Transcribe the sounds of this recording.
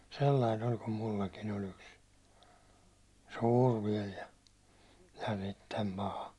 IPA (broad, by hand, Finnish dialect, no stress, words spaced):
selːɑin olʲ kum mulːɑkin olʲ yks suːr ʋiɛl jɑ jɑ sitːem pɑhɑ